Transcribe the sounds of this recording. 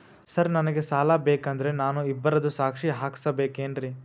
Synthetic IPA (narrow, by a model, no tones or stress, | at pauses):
sɐɾnɐnɐɡesaːlabeːkɐnd̪ɐɾe̞naːnuibːɐɾɐd̪usaːkʂiɦaːkʰi̥sɐbeːkeːnɾi